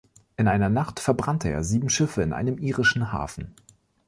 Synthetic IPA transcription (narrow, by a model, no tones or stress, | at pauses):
ʔɪnʔaɪnɐnaχtfɛɐbʁantʰəʔḛːɐziːbm̩ʃɪfəɪnʔa̰ɪnəmʔiːʁɪʃn̩ɦa̰ːfn̩